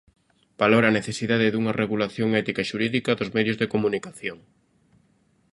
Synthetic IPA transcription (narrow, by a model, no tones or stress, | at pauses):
b̥aloɾaːneθesiðaðɪðuŋɐreɣulaθjoŋɛt̪ikaʃuɾiðikɐðʊzmɛðjʊzðekomunikaθjoŋ